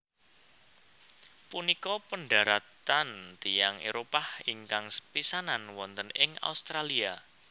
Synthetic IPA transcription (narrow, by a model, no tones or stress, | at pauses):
punikɔpəɳɖaɾat̪ant̪ijaŋeɾopahiŋkaŋsə̥pisananwɔnt̪ənɪŋa̰ust̪ɾalia